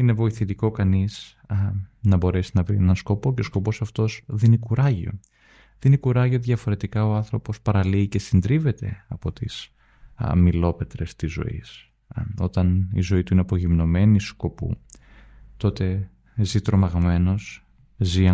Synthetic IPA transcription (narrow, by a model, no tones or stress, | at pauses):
ine̞vo̞iθit̪iko̞kɐnis | nɐbo̞ɾe̞sinɐvɾienɐnsko̞po̞ce̞o̞sko̞po̞sɐft̪o̞sðinikuɾɐʝio̞̰ | ðinikuɾɐʝiot̪iðʝɐfo̞ɾe̞t̪ikɐo̞ɐnθɾo̞po̞spɐɾɐliːce̞sind̪ɾive̞t̪e̞̰ɐpo̞t̪ḭs | milo̞pe̞t̪ɾe̞st̪izo̞̰ḭs | o̞t̪ɐnḭzo̞it̪uineɐpo̞ʝimno̞me̞nisko̞pṵ | t̪o̞t̪e̞ | zit̪ɾo̞mɐɣme̞no̞s | ziɐ